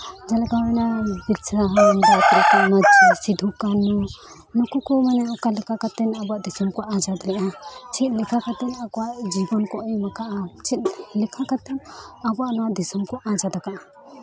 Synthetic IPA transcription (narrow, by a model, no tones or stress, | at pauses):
d͡ʒalɛɡaɛnabit̪saɦɔɔmd̪ɔat̪ɔɾɛt̪aʔmad͡ʒisid̪ʱukanu | nɔkukɔmanɛʔɔkalɛkakat̪ɛnabɔaʔd̪isɔmkɔʔad͡ʒad̪lɛʔat͡ʃʰit̪̚ˀlɛkʰakat̪ɛnakɔwaʔd͡ʒibɔnkɔʔɔjmakaʔat͡ʃʰit̪̚lɛkʰakat̪ɛnabɔaʔnɔwaʔd̪isɔmkɔʔad͡ʒad̪akaʔa